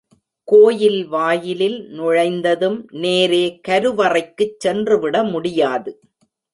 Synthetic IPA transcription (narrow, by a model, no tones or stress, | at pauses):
koːjɪlʋaːjɪlɪlnʊɻɐɪnd̪ɐðɯmneːɾeːkɐɾɯʋɐrɐɪkːɯt͡ʃːɛndrɯʋɪɽɐmʊɽɪjaːðɯ